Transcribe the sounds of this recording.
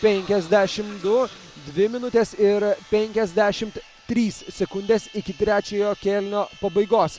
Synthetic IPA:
pʲɛŋʲkʲɛzʲd̪ʲæːʃʲɪmd̪ʊ | d̪ʲʋʲɪmʲɪnʊt̪ʲesɪɾpʲɛŋʲkʲɛzʲd̪ʲæːʃʲɪmt̪ | t̪ʲɾʲiːssʲɛkʊnʲd̪ʲeːsɪkʲɪt̪ʲɾʲæːt͡ʃʲeːjoːkʲɛlʲnʲoːpɐbɐɪɡoːs

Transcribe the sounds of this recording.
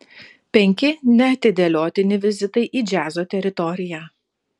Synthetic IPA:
pʲɛŋʲkʲɪnʲɛɐt̪ʲɪd̪ʲeːlʲoːt̪ʲɪnʲɪʋʲɪzʲɪt̪ɐɪʔiːd͡ʒʲæːzoːt̪ʲɛɾʲɪt̪ɔɾʲɪjæː

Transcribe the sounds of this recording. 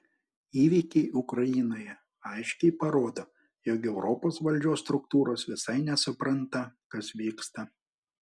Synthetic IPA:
iːʋʲiːkʲɛɪʔʊkɾɐjɪnoːjɛ | ɐɪʃʲkʲɛɪpɐɾoːd̪oː | joːkɛʊɾʔɔpoːsʋɐlʲd͡ʒʲoːsːt̪ɾʊkt̪uːɾoːsʋʲɪsɐɪnʲɛsʊpɾɐnt̪ɐkɐsʋʲiːkst̪ɐ

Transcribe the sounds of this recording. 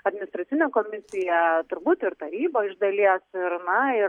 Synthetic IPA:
ɐd̪ʲmʲɪnʲɪst̪ɾɐt̪sʲɪnʲeːkoːmʲɪsʲɪjɛt̪ʊɾbuːt̪ɪɾt̪ɐɾʲiːboːɪʒd̪ɐlʲiɛsɪɾnɐɪ

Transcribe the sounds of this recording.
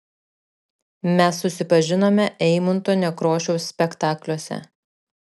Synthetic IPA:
mʲɛsːʊsʲɪpɐʒʲɪnoːmʲɛʔɛɪmʊnt̪oːnʲɛkɾoːʃʲɛʊsːʲpʲɛkt̪ɑːklʲoɔsʲɛ̰

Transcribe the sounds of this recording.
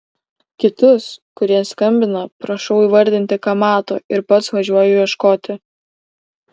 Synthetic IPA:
kʲɪt̪ʊskʊɾʲiɛskɐmʲbʲɪnɐpɾɐʃɒʊiːʋɐɾʲd̪ʲɪnʲt̪ʲɪkɐmɑːt̪o̰ːɪɾpɐt̪sʋɐʒʲuɔjʊʋʲiɛʃkoːt̪ʲɪ

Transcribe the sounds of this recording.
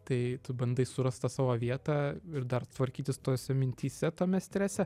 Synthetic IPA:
t̪ɐɪt̪ʊbɐnd̪ɐɪsʊɾɐst̪ɐsɑːʋoːʋʲiɛt̪ɑːɪɾd̪ɐrt̪ʋɐɾʲkʲiːt̪ʲɪst̪oːsʲɛmʲɪnʲt̪ʲiːsʲɛt̪oːmʲɛsʲt̪ʲɾʲæsʲɛ

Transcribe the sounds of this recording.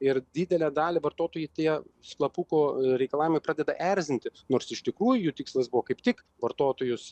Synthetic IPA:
ɪɾd̪ʲiːd̪ʲɛlʲæːd̪ɑːlʲɪʋɐrt̪oːt̪oːjɛɪt̪ʲiɛsklˠɐpuːkoːɾʲɛɪkɐlˠɑːʋʲɪmɐɪpɾɑːd̪ʲɛd̪ɐʔɛɾʲzʲɪnʲt̪ʲɪnoːɾsɪʃt̪ʲɪkɾuːjʊjut̪ʲɪkslˠɐsbʊʋokɐɪpt̪ʲɪk | ʋɐrt̪oːt̪oːjʊs

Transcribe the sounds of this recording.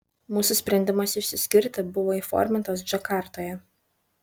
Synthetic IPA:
muːsʊsʲpʲɾʲɛnʲd̪ʲɪmɐsɪʃʲsʲɪsʲkʲɪɾʲt̪ʲɪbʊʋoːifɔ̰ɾʲmʲɪnt̪ɐsd͡ʒɐkɑˑɾt̪oːjɛ

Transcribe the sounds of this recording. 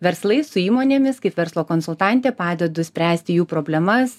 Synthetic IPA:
ʋʲɛɾslˠɐɪsʊiːmoːnʲeːmʲɪskɐɪpʋʲɛɾslˠoːkoːnsʊlˠt̪ɑˑnʲt̪ʲeːpɑːd̪ʲɛd̪ʊsʲpʲɾʲæːsʲt̪ʲɪjuːpɾoːbʲlʲɛmɐs

